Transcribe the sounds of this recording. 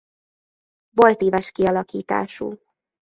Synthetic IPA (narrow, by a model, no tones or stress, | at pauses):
bo̞lt̪eːvɛʃkiɒlɒkiːt̪a̰ːʃṵː